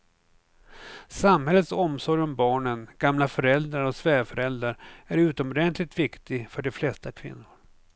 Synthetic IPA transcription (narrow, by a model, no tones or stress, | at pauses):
samɦɛlːət̪sɔmsɔɾjɔmbɑːɳənɡ̥amlafœɾɛld̪ɾaɾɔsvæɾfœɾɛld̪ɾaɾæɾʉ̟ːt̪ɔmɔd̪ɛnt̪lɪt̪vɪkt̪ɪfœɖɛflɛst̪akʰvɪ̰nːʊɾ